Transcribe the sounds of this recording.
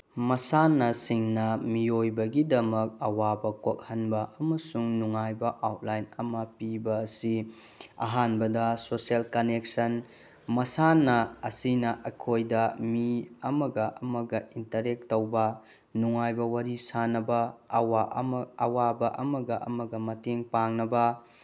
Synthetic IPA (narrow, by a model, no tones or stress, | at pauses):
mɐsanːɐsiŋnɐmiojbɐɡidɐmɐk̚ɐwabɐkok̚hɐnbɐʔɐmɐsuŋnuŋajbɐʔawt̚lajnɐmɐpibɐːsi | ɐ̰ɦanbɐdɐsoselkɐnek̚sɐn | mɐsanːɐɐsinɐʔɐkʰojdɐmiɐmɐɡɐʔɐmɐɡɐintɐɾek̚towbɐ | nuŋajbɐwaɾisanɐbɐːwaʔɐmɐwabɐʔɐmɐɡɐʔɐ̰mɐɡɐmɐteŋpaŋnɐbɐ